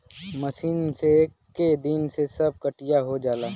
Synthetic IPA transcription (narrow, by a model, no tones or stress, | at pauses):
mɐʃiːnse | ked̪ɪnsesɐb̚kəʈɪjaɦod͡ʒaːlaː